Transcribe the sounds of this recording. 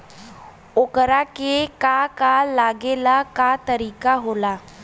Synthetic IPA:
okəɾakekakalaɡelakat̪əɾikaɦola

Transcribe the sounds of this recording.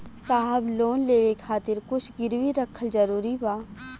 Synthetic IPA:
saːɦəbloːnleːʋekʰaːt̪ɪɾkʊt͡ʃʰɡɪɾʋiɾəkʰːəld͡ʒəɾuːɾibaː

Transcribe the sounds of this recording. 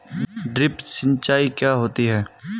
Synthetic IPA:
ɖɾɪpsɪ̃nt͡ʃaːikjaːɦoːt̪iɦɛː

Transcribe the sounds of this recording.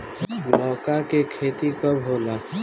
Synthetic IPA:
ɡlɔːkakekʰeːt̪ikəbɦoːla

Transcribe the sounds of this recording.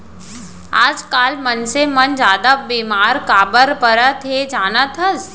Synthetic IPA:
aːd͡ʒkaːlmənsemɐnd͡ʒaːd̪abeːmaːɾkaːbəɾpəɾət̪ʰed͡ʒaːnət̪ʰəz

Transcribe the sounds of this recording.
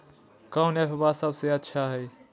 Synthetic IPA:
kãwnepʰbaːsəbseətːʃʰaɦɛː

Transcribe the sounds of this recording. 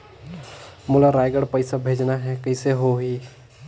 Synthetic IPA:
mʊlaɾaːjɡəɽpəɪsabʱeːd͡ʒnaɦɛkəɪseɦoɦiː

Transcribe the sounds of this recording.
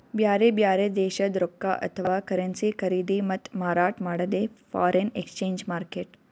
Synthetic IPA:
bjaːɾeːbjaːɾeːd̪eːʃɐd̪ɾokːa̰ːʔɐ̰t̪ʰʋɐʋaːkɐɾɐnsikʰɐɾiːd̪imɐt̪maːɾaːʈmaːɽɐd̪eːfa̰ːɾenḛkst͡ʃẽːɲd͡ʒmaːɾkeːʈ

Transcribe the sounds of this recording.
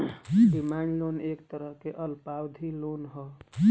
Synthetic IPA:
ɖimaɳɖlonekt̪əɾəɦkeʔəlpawd̪ʱilonɦɔ

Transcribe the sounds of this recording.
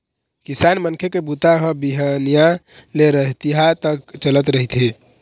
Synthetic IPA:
kisanmənkʰekebut̪aɦə̃biɦənija | leɾəɦt̪iɦat̪əkt͡ʃələt̪ɾəɦit̪ʰɦi

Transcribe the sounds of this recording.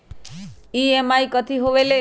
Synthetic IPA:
iemaikət̪ʰiɦoʋele

